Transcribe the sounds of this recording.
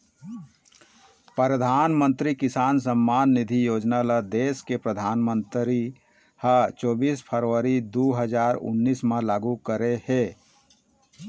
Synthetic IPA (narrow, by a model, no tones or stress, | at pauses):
pɾəd̪ʱaːnmə̃nt̪ɾikɪsaːns̬əmːaːnːɪd̪ʱijoːd͡ʒnalad̪eːskepɾəd̪ʱaːnmə̃nt̪ɾi | hat͡ʃoːbiːspʰəɾʋəɾid̪uːɦəd͡ʒaːɾʊ̰nːiːsmalaːɡukəɾeheː